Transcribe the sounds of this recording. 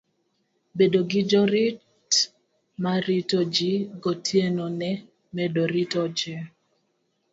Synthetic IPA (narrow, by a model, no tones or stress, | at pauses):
bedoɡɪd͡ʒɔɾɪt | maɾitod͡ʒiɡotʰjenonɛ | mɛdoɾitɔd͡ʒɪ